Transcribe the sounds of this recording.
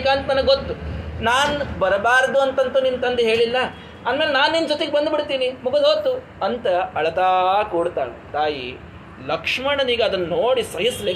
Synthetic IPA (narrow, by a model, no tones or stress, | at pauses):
kaːnt̪ɐnɐnɐɡɡot̪ːunaːnbɐɾbaːɾd̪uɐnt̪ɐnt̪unint̪ɐnd̪eɦe̞ːɭilːɐ | aːnmeːlenaːnind͡ʒot̪eɡebɐnd̪biɽt̪iːnimuɡɐd̪ɦoːt̪ːu | ɐnt̪ɐɐɭɐt̪aːkoɽt̪a̰ːɭet̪aːjḭ | lɐkʂmɐɳɐniːɡeɐd̪ɐnːɐnoːɽisɐɦɐsle